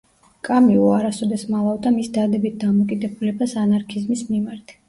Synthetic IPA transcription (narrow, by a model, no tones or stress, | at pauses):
kʼamiɔaɾasɔd̪ɛsmalˠavd̪amisd̪ad̪ɛbit̪̚d̪amɔkʼid̪ɛbulɛbasanaɾkʰizmismimaɾt̪ʰ